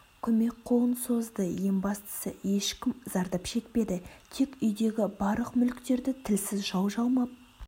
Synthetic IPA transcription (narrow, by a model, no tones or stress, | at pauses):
kʲʰɵme̞kqʰo̞ənso̞zd̪əje̞mbɑst̪ə̥sə̰e̞ʃkʲɪmz̥ɑɾd̪ɑpʃe̞k̚pe̞d̪ɪt̪ʰe̞kʏjd̪e̞ɡʲɪbɑɾlˠəqmʏlkt̪e̞ɾd̪ɪt̪ʰɪlsɪzʒɑwʒɑlˠmɑp̚